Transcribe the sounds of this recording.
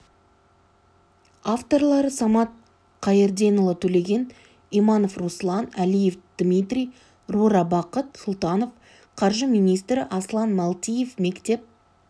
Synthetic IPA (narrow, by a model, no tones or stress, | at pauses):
ɑft̪o̞ɾlˠɑɾəsɑmɑt̪̚ | qʰɑjeɾd̪enolˠət̪ʰɵle̞ɡʲe̞n | imɑno̞fruslˠɑnælijefd̪̥mʲit̪rʲij | ruɾɑbɑqət̪sʊlˠt̪ɑno̞f | qʰɑɾʒəmʲijnijst̪ɾɪʔɑslˠɑnmɑlˠt̪ʲije̞fme̞kt̪e̞p̚